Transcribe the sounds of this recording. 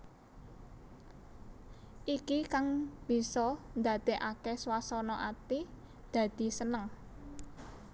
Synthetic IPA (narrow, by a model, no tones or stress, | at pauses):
ʔikikaŋb̥i̤sɔnd̪a̤d̪̥e̤ʔakeswasɔnɔʔat̪i | d̪̥a̤d̪̥i̤sənəŋ